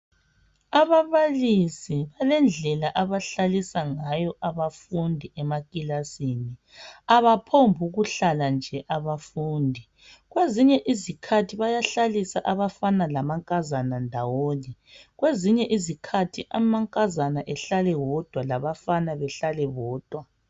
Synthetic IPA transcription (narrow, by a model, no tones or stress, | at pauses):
aβaβalisiβalɛnd͡ɮʱɛlaʔaβaɬalisaŋajɔʔaβafundʱiʔɛmakʼilasini | aβapʰombʱuɣuɬaland͡ʒʱɛʔaβafuːndʱi | ɣweziɲɛʔizikʰatʰiβajaɬalisaʔaβafanalamaŋkʼazanandʱawoːniɣweziɲɛʔizikʰatʰiʔamaŋkʼazanaʔɛɬalɛwɔd̥ʱwalaβafanaβɛɬalɛβɔːd̥ʱwa